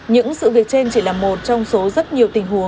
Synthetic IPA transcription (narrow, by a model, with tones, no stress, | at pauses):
ɲɨ̰˧˥ŋsɨ̰˧˨vi˨˩ək̚t͡ɕe˧nt͡ɕi˧˩laː˨˩mːo˨˩t̚t͡ɕɔ˧wŋ͡mso˨˦zə˦˥t̚ɲi˨˩əwt̪ï˨˩ŋ̟hu˨˦əŋ